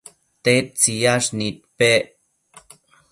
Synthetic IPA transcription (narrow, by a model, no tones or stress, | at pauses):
t̪et̪̚t͡sijaʂnit̪̚pe